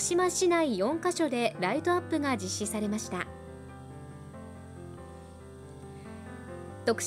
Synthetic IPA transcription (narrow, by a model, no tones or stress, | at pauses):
ɕimaɕinaijõ̞ŋkaɕo̞d̪e̞ɾait̪o̞apːɯ̟ɡad͡ʑiɕːisaɾe̞maɕi̥t̪a̰ | t̪o̞kɯ̥